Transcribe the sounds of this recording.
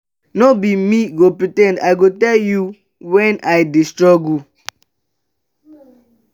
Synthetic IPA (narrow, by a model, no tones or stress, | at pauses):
nobimiɡopɹitɛ̃ndaɪɡotɛlju | wɛ̃najdistɹɔɡu